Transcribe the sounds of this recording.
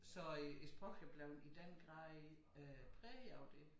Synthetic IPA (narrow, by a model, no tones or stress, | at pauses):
sɒ̽isb̥ʁɔɡʰɛb̥lɛʊnid̥en̰ɡ̥ʁɑ̈ðˠ | pʰʁɛːjɑʊd̥e̝